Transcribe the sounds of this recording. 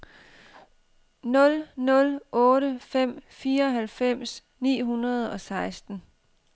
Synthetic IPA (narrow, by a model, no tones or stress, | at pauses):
nɔ̽lnɔ̽lʔɔ̽ːɾəfem̰fiːɐɒ̽ɦælfem̰s | nḭːɦunɐð̞̩ˠɒ̽sɑ̈ɪsd̥n̩